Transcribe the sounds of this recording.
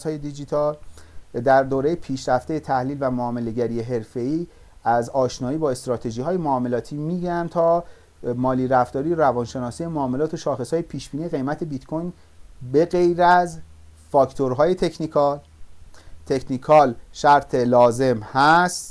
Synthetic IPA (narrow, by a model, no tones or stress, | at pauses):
shɒːje̞d̪id͡ʒit̪ʰɒld̪æɾd̪oːɾe̞jepʰiːʃɾæft̪e̞jet̪ʰæhliːlvæmoɒːme̞le̞ɟæɾije̞ɦe̞ɾfe̞iː | æzɒːʃnɒːiːbɒːe̞st̪ɾɒːt̪ʰe̞ʒiːɦɒːjemoɒːme̞lɒːt̪ʰiːmiːɡænt̪ʰɒː | mɒːliːɾæft̪ɒːɾijoɾævɒnʃe̞nɒːsiːjemoːme̞lɒːt̪ʰoʃɒːxe̞shɒːjepʰiːʃb̥iːniːeɣe̞jmæt̪ʰe̞bit̪kʰo̞jn | be̞ɣejɾæz | fɒːkt̪ʰoɾɦɒːje̞t̪ʰe̞cʰnikʰɒl | t̪ʰe̞cʰnikʰɒlʃæɾt̪ʰe̞lɒːze̞mhæst̪